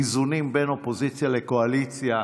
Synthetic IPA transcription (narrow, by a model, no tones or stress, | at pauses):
izunimbɛnopozit͡sjalekoalit͡sja